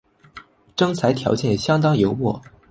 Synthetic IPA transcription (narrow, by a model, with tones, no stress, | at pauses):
ʈ͡ʂɤ˥ŋt͡sʰa˧˥ɪt̪ʰjɑ̰˧˥ʊt͡ɕjɛ˥˩nɕjɑ˥ŋt̪ɑ˥ŋjo˧˥ʊwɔ˥˩